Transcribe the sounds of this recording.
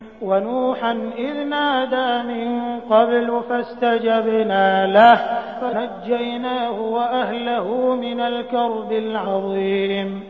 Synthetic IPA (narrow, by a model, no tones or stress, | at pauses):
wanuːħanʔɪðnaːd̪aːmɪnqɑblfast̪ad͡ʒabnaːlahfanad͡ʒːajnaːhʊwaʔaɦlahʊmɪnalkɑɾˤbɪlʕɑðˤiːm